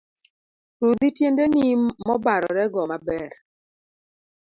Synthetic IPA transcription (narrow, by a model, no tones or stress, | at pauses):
ɾud̪itjendenimɔbaɾɔ̰ɾɛɡɔmabɛɾ